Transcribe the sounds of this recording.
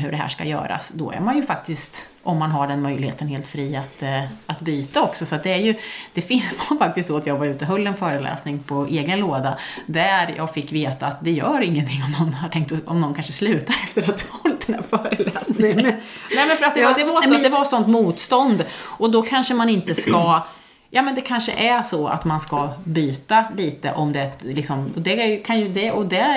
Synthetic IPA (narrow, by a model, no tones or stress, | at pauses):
ɦɵɖɛɦæ̰ːʂka̰jœ̰ːɾa̰sd̪ɔ̰æ̰ɾmanjɵfak̚t̪ɪst̪ | ʔɔmːanɦaɖɛnmœjlɪhḛːt̪ənheːlt̪fɾiːat̪at̪byːt̪aɔksɔsɔat̪̚d̪ɛæɾjɵd̪̥ɛfɪvafak̚t̪ɪst̪sɔat̪jɑːɡvaɾʉ̟ːt̪əɦɵlːɛnfœːɾəlɛ̰ːsnɪŋpʰɔeːɡənloːd̪ad̪æɾjɑ̰ːɡfɪkːveːt̪aːt̪̚d̪ɛjœːɾɪŋːənt̪ʰɪŋːɔmnɔnːaʈʰɛŋk̚t̪ɔɔmnɔnkʰanʂəslʉ̟ːt̪aɾɛft̪əɾat̪̚d̪vaɔlt̪̚d̪ɛnd̪æɾfœːɾəlɛːsnɪ | nɛːmɛnfœɾat̪̚d̪ɛad̪ɛvaɛɛd̪ɛvasɔnt̪muːt̪st̪ɔnd̪ɔd̪ɔkʰanʂəmanɪnt̪əska | jɑːmɛnd̪ɛkʰanʂə̰ʔæʂɔa̰t̪manskabyːt̪aliːt̪əʔɔmd̪ɛt̪lɪksɔmɔd̪ɛæɾjkʰanjɵd̪ɛɔd̪ɛ